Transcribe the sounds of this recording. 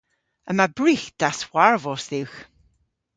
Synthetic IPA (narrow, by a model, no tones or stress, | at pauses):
əmabɹiːxd̥aswaɹvɔsðɪwx